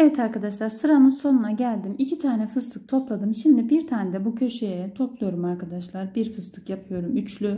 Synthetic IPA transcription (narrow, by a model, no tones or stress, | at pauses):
evɛt̪ʰaɾkad̪aʃlˠaɾsɯɾanɯnso̞nunaɟælʲd̪imicʰit̪ʰaːnɛfɯzt̪ʰɯk̚t̪ʰo̞plˠad̪ɯmʃimd̪ibiɾt̪ʰaːnɛd̪ɛbucʰø̞ʃejɛt̪ʰo̞plˠujo̞ɾumaɾkʰad̪aʃlˠaɾbiɾfɯzt̪ˠɯkjapʰɯjo̞ɾumyt͡ʃlʲy